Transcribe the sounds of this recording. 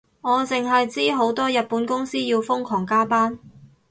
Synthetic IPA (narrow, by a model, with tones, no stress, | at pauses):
ŋɔː˨˧t͡sɪ˨ŋɦɐ˨jt͡siː˥ɦo˨˥wt̪ɔː˥jɐ˨t̚puː˨˥nkʊ˥ŋsiː˥jiː˧wfʊ˥ŋkʰɔː˨˩ŋkaː˥paː˥n